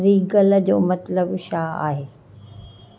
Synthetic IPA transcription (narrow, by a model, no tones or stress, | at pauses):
ɾiɡɐld͡ʑoːmɐt̪ləbʃaːa̰ːɦeː